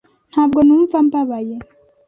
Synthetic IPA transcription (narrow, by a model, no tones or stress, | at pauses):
n̥haːb̚ɡo̞nuːɱvambaβaje